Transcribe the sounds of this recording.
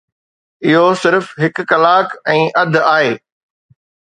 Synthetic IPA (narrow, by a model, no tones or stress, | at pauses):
ɪɦosɪɾfɦɪkːɐlaːkɛ̃ːʔɐd̪ʱaːɦeː